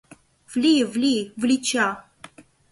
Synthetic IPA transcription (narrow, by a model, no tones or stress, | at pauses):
vlʲivlʲivlʲit͡ɕa